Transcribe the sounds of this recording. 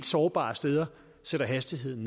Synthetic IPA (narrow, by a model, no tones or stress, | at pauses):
d̥sɒːb̥ɑ̰̈sd̥eːð̞ˠɐ | seɾɐɦæsd̥iɦe̝ð̰ˠn̩